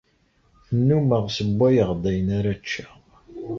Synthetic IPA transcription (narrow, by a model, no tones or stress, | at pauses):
θənːuməʁsəbːæjəʁd̪æjənaɾat͡ʃːæ̥